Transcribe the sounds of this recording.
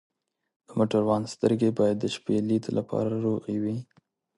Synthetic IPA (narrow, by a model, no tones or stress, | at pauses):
d̪̥əmoʈəɾwɑnst̪əɾɡebɑjad̪ːəʃpelit̪olʔapʰɑ̰ɾaaɾoɣawi